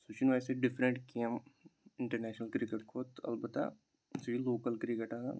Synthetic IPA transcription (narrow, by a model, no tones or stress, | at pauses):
sut͡ʃinʋajseɖɪfʰɾə̃ɳʈkeəmɪ̃ɳʈəɾnɛːʃnəlkɾɪkeʈkʰoːt̪ɐ̰lbət̪a̰ | siloːkəlkɾɪkeʈa̰